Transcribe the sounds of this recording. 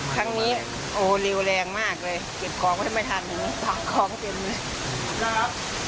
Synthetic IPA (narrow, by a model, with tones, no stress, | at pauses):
kʰa˦˥ŋniː˦˥ | ʔoː˧˩le˧wlɛː˧ŋmaː˥˩k̚lɤː˧jke˨˩p̚kʰɔː˨˦ŋwaː˧˥˩ma˥˩jt̪ʰa˧˩ni˨˩˦ŋ˧˥˩paː˨˩kʰɔː˧˥ŋpe˧n˧l